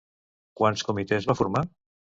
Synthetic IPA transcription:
kwanskumit̪ezβafuɾma

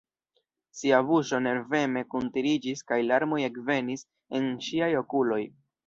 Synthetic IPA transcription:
siabuʃo̞ne̞ɾve̞me̞kuntiɾid͡ʒiskajlaɾmo̞je̞kve̞nis | e̞nʃiajo̞kulo̞j

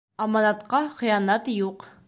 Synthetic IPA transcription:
ɑmɑnɑt̪qɑχĭjɑnɑt̪juq

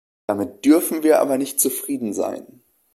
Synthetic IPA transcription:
d̥amɪt̚d̥ʏɐfn̩viːɐʔa̰ːbɐnɪçt̚t͡sufʁ̥iːdn̩za̰ɪn

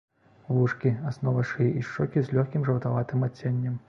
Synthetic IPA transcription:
vuʂkʲiasnɔvɐʂɨʔiʂt͡ʂɔkʲizlʲɔxʲkʲimʐɐwt̪avat̪ɨmat͡sʲːenʲːɐm

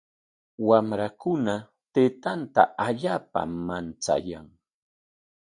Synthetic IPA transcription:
wamɾakʊna | t̪eːt̪ant̪a̰aʎaːpa̰mant͡sa̰jaŋ

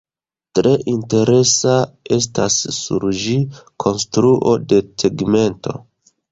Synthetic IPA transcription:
tɾe̞ʔinte̞ɾe̞sae̞s̬tasːṵɾd͡ʒikʰo̞nstɾuʔo̞de̞seɡme̞nto̞̰

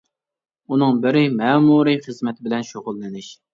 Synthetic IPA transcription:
unɨŋbɪɾɪmɛːmuɾɨχəzmɛt̪ʰɪbɪlɛnʃoʁʊlˠːɪnɪʃ

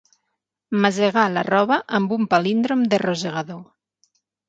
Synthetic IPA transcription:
mazeɣala̰rɔβəʔəmbumpalind̪ɾomd̪erozeɣ̞aðo

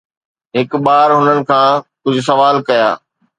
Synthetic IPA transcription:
ɦɪkɓaːɾɦʊnənɪ̆kʰãːkʊd͡ʑʱʊsɐʋaːlkɐja̰ː

